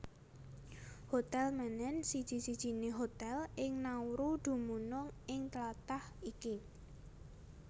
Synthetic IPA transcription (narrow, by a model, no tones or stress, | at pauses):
hot̪ɛlmanɛnsid̥ʒ̥i̤sid̥ʒ̥i̤neɦot̪ɛlɪŋnawɾud̪̥ṳmunʊŋɪŋt̪lat̪ahiki